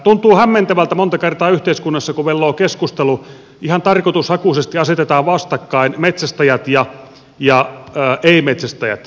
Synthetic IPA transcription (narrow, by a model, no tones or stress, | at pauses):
t̪unt̪uːhæmːent̪æʋælt̪æmont̪ɑkert̪ɑːyht̪eiskunːɑsːɑkuʋelːoːkeskust̪elu | ihɑnt̪ɑrkot̪ushɑkusest̪iɑset̪et̪ɑːʋʋɑst̪ɑkːɑinmet̪sæst̪æjæt̪jɑ | jɑːʔeimet̪sæst̪æjæ̰t̪